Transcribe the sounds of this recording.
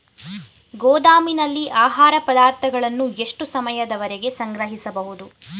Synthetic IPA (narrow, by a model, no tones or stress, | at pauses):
ɡɔːd̪aːminɐlːiʔaːɦaːɾɐpɐd̪aːɾt̪ʰɐɡɐɭɐnːue̞ʂʈusɐmɐjɐd̪ɐʋɐɾeɡe̞sɐŋɡɾɐɦisɐbɐɦud̪u